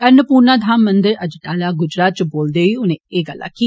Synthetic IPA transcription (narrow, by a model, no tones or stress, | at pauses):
əɾnəpuːɾnaːd̪ʱaːmːə̃nd̪ɪɾəd͡ʒʈaːlaːɡʊd͡ʒɾaːt̪̚t͡ʃboːld̪eːʋiːʊnẽeːɡəlːa̰ːkiː